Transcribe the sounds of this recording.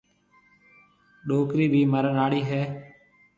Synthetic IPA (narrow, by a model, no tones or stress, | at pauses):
ɗoːkɾiːbʱiːməɾənaːɽiːɦɛː